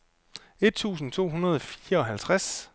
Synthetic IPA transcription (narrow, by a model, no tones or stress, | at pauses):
e̝d̥̚t͡sʰṵːsn̩t͡sʰo̝̰ːɦunɐð̞ˠɒfiːɐɒ̽ɦælt͡sʰʁas